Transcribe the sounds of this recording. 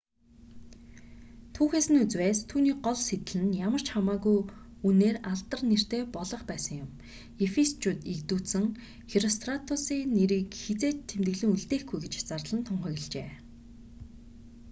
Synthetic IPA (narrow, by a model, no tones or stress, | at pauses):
t̪ʰuːxeːsɘ̆nut͡swæːst̪ʰuːniːk̚ɢɔɮset̪ɘ̆ɮɘ̆njamə̆r̥t͡ɕχamaːɣuj | uneːraɮt̪ə̆rner̥t̪eːpɔɮɞ̆χpæːsə̆ŋjʊm | efist͡ɕut̪ikt̪uːt̪sɘ̆ŋ | xiɾɔst̪ʰrat̪ʰʊsiːneɾiːkxet͡seːt̪ʰːemt̪ɘ̆ɮɘ̆ŋuɮt̪eːxɡujɡet͡ɕt͡sarɮə̆nt̪ʰʊɴχœ̆ɣɪ̆ɮt͡ɕeː